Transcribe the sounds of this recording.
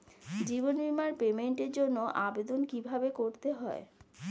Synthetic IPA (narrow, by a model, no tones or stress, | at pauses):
d͡ʑibonbimaɾpemeɳʈeɾd͡ʑonːoʔabed̪onkibʱabekoɾt̪eɦɔe